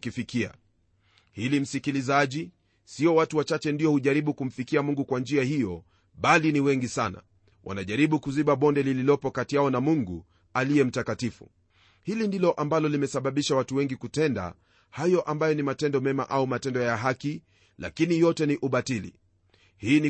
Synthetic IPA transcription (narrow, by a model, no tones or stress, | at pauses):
kifikia̰ | hilim̩sikilizaʄi | siɔwatuwat͡ʃat͡ʃɛndiɔhuʄaɾiɓukum̩fikiamuŋɡukwand͡ʒiahijɔ | ɓaliniwɛŋɡisana̰ | wʔa̰naʄaɾiɓukuziɓaɓɔndɛlililɔpɔkatijaɔnamuŋɡu | alijɛm̩takatifṵ | hilindilɔʔambalɔlimɛsaɓaɓiʃawatuwɛŋɡikutɛnda̰ | hajɔʔambajɔnimatɛndɔmɛma̰ʔaumatɛndɔjaɦaki | la̰kinijɔtɛniʔuɓatilḭ | hiːni